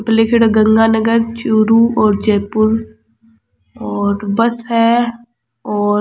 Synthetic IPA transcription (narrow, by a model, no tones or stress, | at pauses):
plekʰɪɽɡɐ̃ŋɡaːnəɡəɾt͡ʃuɾuɔːɾd͡ʒɛːpʊɾ | ɔːɾbɐsɦɛː | ɔːɾ